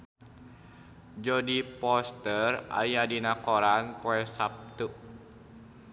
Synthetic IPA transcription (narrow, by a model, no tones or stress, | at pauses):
d͡ʒɔdipɔst̪əra̰jadinakɔɾanpɔɛsap̚t̪uʔ